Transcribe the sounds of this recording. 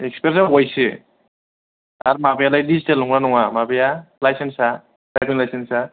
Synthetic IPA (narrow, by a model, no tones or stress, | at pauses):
ekspeɾsabɔjsɯ | aɾmabejalajdistelɔŋɾanɔŋamabejalajsensa | dabiŋlajsensa